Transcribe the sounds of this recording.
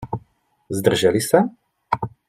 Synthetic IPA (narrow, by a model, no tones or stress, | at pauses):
zd̪r̩ʒɛlisa